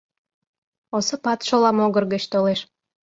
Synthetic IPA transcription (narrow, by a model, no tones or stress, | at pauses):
osəpɑt̪ʃolɑmoɣərɣət͡ɕt̪oleʃ